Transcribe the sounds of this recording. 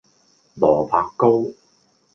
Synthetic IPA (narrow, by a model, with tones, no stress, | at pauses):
lɔː˨˩fʰaː˧kkːo˥w